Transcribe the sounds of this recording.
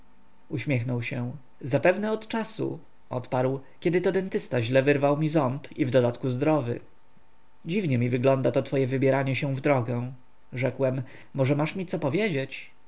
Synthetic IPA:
uɕmʲjɛxnɔwɕɛ̃ | zapɛvnɛɔt̪t͡ʂasṵ | ʔɔ̰t̪paɾw | kʲɛd̪ɘt̪ɔd̪ɛnt̪ɘst̪aʑlɛvɘɾvawmʲizɔmpivd̪ɔd̪at̪kuzd̪ɾɔvɘ̰ | d͡ʑivɲɛmʲivɘɡlɔnd̪at̪ɔt̪fɔjɛvɘbʲjɛɾaɲɛɕɛ̃vd̪ɾɔɡɛ | ʐɛkwɛmː | ɔʐɛmaʂmʲit̪sɔpɔvʲjed͡ʑet͡ɕ

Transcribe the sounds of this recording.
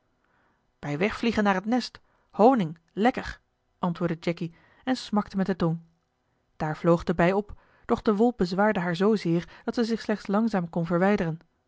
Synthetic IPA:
b̥ɛjʋɛχfliχənaːɹɦətnɛst | hownɪŋ | lɛkəɹ | ʔɑntʋʊːɹdəd͡ʒɛki | ɛnsmɑktəmɛt̚dəton | d̥aːɹvlowχdəbɛjɔp | d̥ɔχdəʋɔlˠp̚bəzʋaːɹdəɦaːɹzowzɪːɹd̥ɑtsɛzɪχslɛχtslɑŋzaːmkɔnvəɹʋɛjdərən

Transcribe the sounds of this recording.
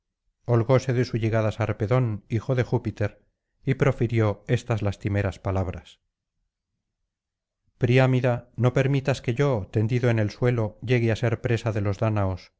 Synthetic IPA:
olɣose̞ðe̞suʝe̞ɣaðasaɾpe̞ðo̞nixo̞ðe̞xupit̪e̞ɾ | ipɾo̞fiɾjo̞e̞st̪azlast̪ime̞ɾaspalaβ̞ɾas | pɾiamiðano̞pe̞ɾmit̪aske̞ʝo̞t̪e̞nd̪iðo̞enelswe̞lo̞ʝe̞ɣease̞ɾpɾe̞saðe̞lo̞zðanaos

